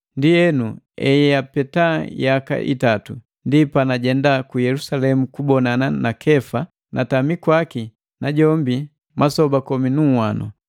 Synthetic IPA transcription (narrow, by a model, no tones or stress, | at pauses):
ndiɛnu | ɛ̰jɛjapɛtajaka̰ʔḭtatu | ndipanaɟɛndakujɛlusalɛmukubɔnananakʰɛfa | nʔatamikwaki | naɟɔmbi | masɔbakɔminuwanʔɔ̰